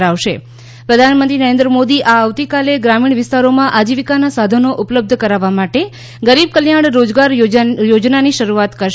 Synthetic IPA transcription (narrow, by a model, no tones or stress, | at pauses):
ɾaʋʃe | pɾəd̪ʱanmənt̪ɾinəɾẽnd̪ɾəmod̪iʔaːʋt̪ikaleɡɾamiɳ̃ʋɪst̪aɾomãʔad͡ʒiʋikanasad̪ʱənoʔʊpləb̚d̪ʱəkəɾaʋamaʈe | ɡəɾib̚kəljaɽɾod͡ʒɡaɾjod͡ʒnaniʃəɾuat̪kəʃ